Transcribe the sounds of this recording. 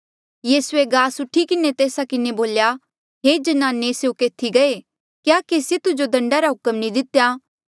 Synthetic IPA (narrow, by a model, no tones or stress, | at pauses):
jiːsʊeɡaːsʊʈʰːikɪnet̪eːsakɪneboːlja | ɦeːd͡ʒɐnaːneseukeːt̪ʰiɡɐe | kjaːkeːset̪ʊd͡ʒod̪ɐ̃ɳɖaɾaɦʊkəmnĩd̪ɪt̪jaː